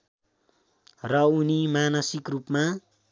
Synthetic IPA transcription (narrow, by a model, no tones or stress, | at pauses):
rʌunimanʌsikrupma